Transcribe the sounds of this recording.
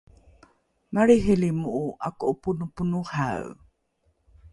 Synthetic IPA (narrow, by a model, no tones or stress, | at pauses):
maɾiɦilimuʔuʔakoʔupunupunuha̰w